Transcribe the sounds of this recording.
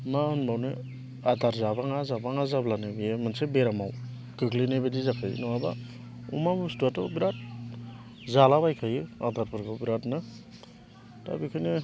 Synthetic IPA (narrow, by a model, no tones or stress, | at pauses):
mahɯnbawnɯ | adaɾzabaŋazabaŋazablanɯbijemansebeɾamaw | kɯklinebedizakʰajnɔaba̰ | ṵmamustuatɔbiɾat̚ | zalabajkʰajɯa̰daɾpʰɯɾkʰɔbiɾatnɯ | ta̰bikʰɯni